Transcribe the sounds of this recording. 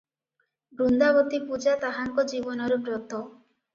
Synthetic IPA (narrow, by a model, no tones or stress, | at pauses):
bɾund̪abɔt̪ipud͡ʒat̪aɦaŋkɔd͡ʒibɔnɔɾubɾɔt̪ɔ